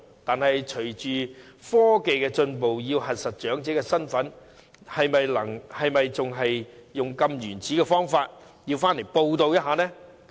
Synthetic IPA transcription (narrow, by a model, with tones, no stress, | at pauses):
t̪aː˨nhɐ˨jt͡ʃʰɵ˨˩t͡ʃyː˨˩fɔː˥ke˨jkɛː˧t͡ʃɵ˧npo˨wjiː˧wɦɐ˨t̚sɐ˨t̚t͡ʃœː˨˥ŋt͡sɛː˨˥kɛː˧sɐ˥nfɐ˨˥n | hɐ˨jmɐ˨jlɐ˨˩ŋhɐ˨jmɐ˨jt͡sʊ˨ŋɦɐ˨jːʊ˨ŋkɐ˧mjyː˨˩nt͡siː˨˥kɛː˧fɔː˥ŋfaː˧t̚ | ji˧wfaː˥nle˨˩jpo˧wt̪o˧wjɐ˥t̚ɦaː˨˧nɛː˥